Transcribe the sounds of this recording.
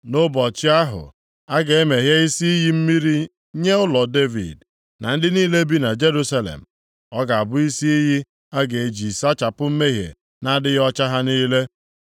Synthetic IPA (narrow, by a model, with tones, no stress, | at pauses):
nʊ˦bɔ˨t͡ʃɪ˦a˦ɦʊ̰˨ | a˦ɡe˨e˦me˨ɦja˦i˦si˦i˦ɦi˦m̩˦mi˦ɾi˦ | ɲe˦ʊ˦lɔ˨de˦vḭ˨d | na̰˨n̩˦dɪ˦niː˦le˦bi˦na˨d͡ʒe˦ɾu˦sa˦lḛ˨m̩˨ | ɔ˦ɡa˨a˨bʊ˦i˦si˦i˦ɦi˦ | a˦ɡe˨e˨d͡ʒi˨sa˦t͡ʃa˨pʊ˦m̩˦me˦ɦjḛ˨ | na˦dɪ˦jɔ˦t͡ʃa˦ɦa˦niː˦le˦